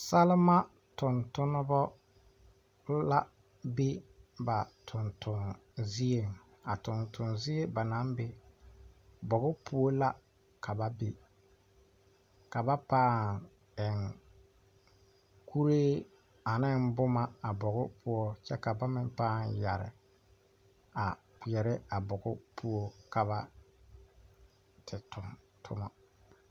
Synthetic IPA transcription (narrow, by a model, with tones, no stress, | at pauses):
sa˦lɪ˦ma˦ | tʊ˨ntʊ˦nʊ˦bɔ˦ | la˦ | be˦ba˨tʰʊ˨ntʊ˨ŋzi˦e˨ŋ | a˨tʊ˨ntʊ˨nzi˦e˦ba˨na˦mbe˦ | bɔ˨ɣʊ˦pʰʊ˦ɔ˦la˦ | kʰa˨ba˦be˨ | ka˨ba˦paː˦˨ŋ | ɛ˨ŋ | kʰu˦ɾeː˦ | a˨nɪ˦nbʊ˦ma˦a˨bɔ˨ɣʊ˦pʰʊ˦ɔ˦t͡ʃɛ˦ka˨ba˦mɪ˨m˦paː˦˨nja˨ɾɪ̰˨ | a˨ | k͡pi˨ɛ˨ɾɪ˦a˨bʊ˨ɡʊ˦pʰu˦o˦ka˨βa˦ | tʰɪ˨tʊ˨m | tʰʊ̰˦ma˨